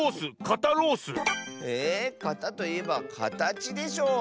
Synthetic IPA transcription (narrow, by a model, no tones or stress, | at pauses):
sɨkat̪aɾo̞ːsɨekat̪at̪o̞ie̞bakʰa̰t̪at͡ɕid̪e̞ɕo̞ː